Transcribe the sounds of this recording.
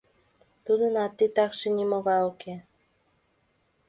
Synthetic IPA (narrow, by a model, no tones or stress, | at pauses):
t̪ud̪ənɑt̪ːit̪ɑkʃenʲimoβɑoke